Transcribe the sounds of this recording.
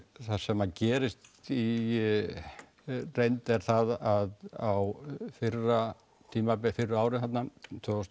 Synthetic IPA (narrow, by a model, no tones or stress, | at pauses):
θasɛmːaðcɛːɾɪst̪i | rejnt̪ɛɾ̥θaðaðawfɪrːa | t̪ʰiːmapɛfɪrʏaːwɾɪnhat̪nat̪ʰvœst̪